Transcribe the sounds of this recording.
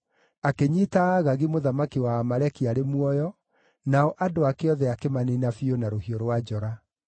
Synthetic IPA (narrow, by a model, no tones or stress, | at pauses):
akeɲitaːɣaɣimoðamakiwaːmaɾɛkiaɾemwɔjɔ | naɔʔadoakeɔðɛakemaninafionaɾohioɾwad͡ʑɔɾa